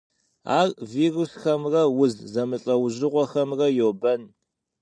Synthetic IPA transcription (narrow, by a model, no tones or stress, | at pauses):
a̰ːrviːrusxɐmrɐwʊzzɐmɨɬʼɐwʑɪʁʷɔxɐmrɐjoːbɐn